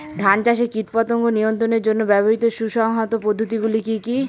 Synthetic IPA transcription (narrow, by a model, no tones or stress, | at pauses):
d̪ʱant͡ɕaʃekiʈpat̪oŋɡonijont̪ɾoneɾd͡ʑonːobɛboɦit̪oʃuʃɔŋɦɔt̪opod̪ʱːot̪̬iɡulikiki